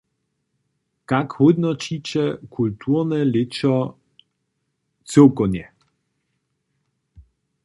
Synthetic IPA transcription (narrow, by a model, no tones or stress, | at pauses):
kakhud̪nɔt͡ʃit͡ɕɛkʰult̪ʰuʁnɛlɪt͡ʃɔ | t͡sewkɔnjɛ